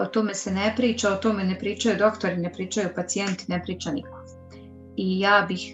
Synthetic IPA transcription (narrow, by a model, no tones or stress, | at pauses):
o̞t̪o̞me̞se̞nepɾiːt͡ʃaot̪o̞menepɾiːt͡ʃajud̪o̞kt̪o̞ɾine̞pɾiːt͡ʃajupat̪sie̞nt̪inepɾiːt͡ʃaniko | ijaːbix